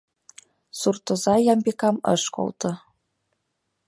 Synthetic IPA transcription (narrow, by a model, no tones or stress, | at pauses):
surt̪ŏzɑjɑmbekɑmɤ̰ʃko̰lˠt̪ɤ̆